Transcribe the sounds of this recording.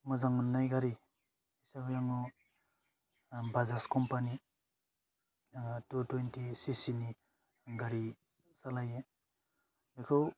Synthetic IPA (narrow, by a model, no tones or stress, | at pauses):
mɔzaŋɔnːajɡaɾi | isabjaŋɔ | bazaskɔmpani | tutwentisisini | ɡaɾi | salaje | dekʰow